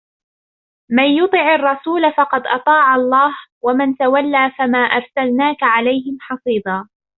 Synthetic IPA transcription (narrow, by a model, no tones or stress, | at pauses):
manjʊt̪ˤɨʕɑrˤːɑsuːlafɑqɑd̪ʔɑt̪ˤɑːʕɑlˤːɑːhwamant̪awalːaːfamaːʔɑɾˤsalnaːkaʕalajhɪmħɑsˤiːd̪aː